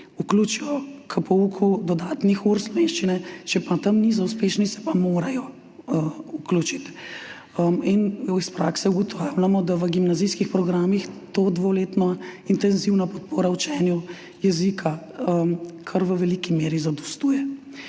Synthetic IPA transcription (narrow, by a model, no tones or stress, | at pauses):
ukluːt͡ʃijɔkʰəpɔukʰud̪ɔd̪aːt̪nixuɾslɔʋeːnʃt͡ʃinɛt͡ʃɛpat̪ɐmnizauspeːʃnisɛ̥pamoːɾajɔ | əukluːt͡ʃit̪ | əminispɾaːksɛuɡɔt̪ʰawlamɔd̪aʋəɡimnazijskixpɾɔɡɾaːmixt̪od̪ʋoleːt̪nɔint̪ɛnziwnapɔt̪̚poːɾaut͡ʃɛːnju | jɛzikʰa | əmkʰaɾʋəʋɛlikimeːɾizad̪ɔst̪uːjɛ